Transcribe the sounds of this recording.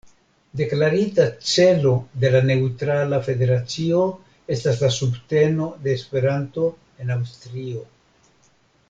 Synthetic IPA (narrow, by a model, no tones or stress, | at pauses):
de̞klaɾitat͡se̞lo̞de̞lane̞utɾalafe̞de̞ɾat͡sio̞ | e̞staslasubte̞no̞de̞ːspe̞ɾanto̞ | e̞nawstɾio̞